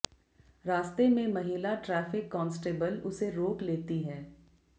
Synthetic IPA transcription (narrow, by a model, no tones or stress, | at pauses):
ɾaːst̪emẽmɐɦiːlaʈɾɛːfɪkːɔ̃ːnsʈeːbəlʊseɾoːkleːt̪iɦɛː